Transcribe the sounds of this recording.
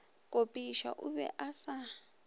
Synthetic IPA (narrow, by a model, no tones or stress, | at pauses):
kʼopʼiʃa̰ʔuβɛ̰ʔasa